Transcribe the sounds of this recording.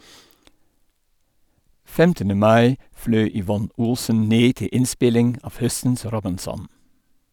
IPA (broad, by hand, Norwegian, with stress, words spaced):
ˈfɛmtənə ˈmɑɪ ˈflœʏ ʏˈʋɔn ˈʊlsən ˈneː ˈtɪ ˈɪnˌspɪlɪŋ ˈɑf ˈhœsn̩s ˈɾɔbɪnˌsɔn